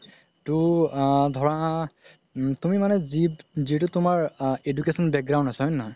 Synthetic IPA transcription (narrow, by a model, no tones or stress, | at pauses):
tʊ | dʱɔɹaa | tumimanɛzizitʊtʊmaɹedukesɔnbɛk̚ɡɹaw̃ntasaɦɔjnːɔɦ